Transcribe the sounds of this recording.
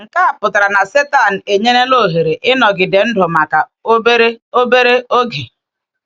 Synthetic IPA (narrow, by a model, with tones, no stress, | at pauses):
ŋ̩˨ka˦a˨pʊ˨ta˨ɾa˨na˨se˦ta˨n̩˨e˨ɲe˦ne˦lo˦˨ɦe˨ɾe˨ʔɪ˦nɔ˨ɡɪ˨de˨n̩˦dʊ˨ma˨ka˨o˦be˦ɾe˦o˦be˦ɾe˦o˦ɡe˨